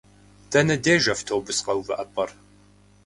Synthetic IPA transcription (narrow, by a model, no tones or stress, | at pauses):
tʰɐnɐdeːʒɐftʰoːbʊsqɐwvɐʔɐpʼɐr